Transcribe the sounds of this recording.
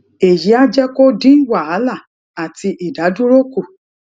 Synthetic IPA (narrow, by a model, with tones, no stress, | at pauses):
e˨ji˨˦a˦d͡ʒɛ˦ko˦dĩ˦wa˦˨a˨˦la˦˨ | a˨ti˧ʔi˨da˨˦dũ˦ɾo˦ku˦˨